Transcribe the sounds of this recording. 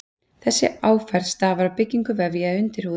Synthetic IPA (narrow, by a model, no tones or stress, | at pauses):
θɛsːɪ̰aːwfɛɾ̥st̪avaɾapɪcːiŋkʏvɛvjaʏnt̪ɪɾ̥huː